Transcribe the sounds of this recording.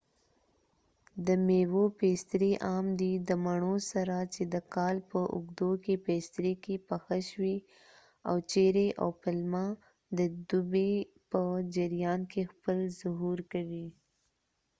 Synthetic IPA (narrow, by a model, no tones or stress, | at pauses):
d̪əmewopest̪ɾeʔɑmd̪id̪əmaɳ̃osaɾat͡ʃed̪əkɑlpəʔʊ̰ɡd̪okepest̪ɾekepəxaʃwi | a̰wt͡ʃeɾeʔa̰wpalmɑ | d̪əd̪ube | pəd͡ʒɪɾjɑnkexpəlzʊɦuɾkawi